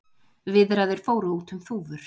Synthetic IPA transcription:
vɪðɾaðɪɾ̥foːwɾuːt̪ʏmθuːvʏɾ̥

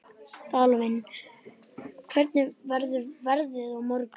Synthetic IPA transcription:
t̪aːlɔvɪn | kʰvɛɾt̪nɪvɛɾðʏvɛɾðɪðɔɣmɔɾk

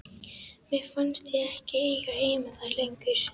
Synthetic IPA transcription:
mɛðfanst̪ɪɛhcɪejɣaejmaðaɾlejŋkʏɾ̥

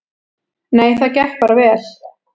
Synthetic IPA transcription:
neːjθaðcɛht̚paːɾavɛːl̥

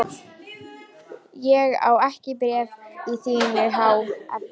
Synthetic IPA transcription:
jɛɣa̰wɛhcɪpɾɛːviθiːnɪɾɦawa̰ð

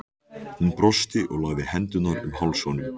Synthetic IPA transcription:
hunpɾɔst̪ɪʔɔɣlaɣðɪhɛnt̪ʏnaɾʏmhawlsownʏm

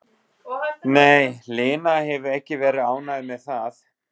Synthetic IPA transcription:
neːjlɪːnahɛvʏɾɛhcɪvɛːɾɪðaːwnaðɪmɛðθaθ

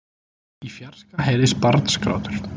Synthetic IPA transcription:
ifjaɾ̥skaɦɛːɾɪspaɾt̪n̥skɾa̰ːwt̪ʏɾ̥

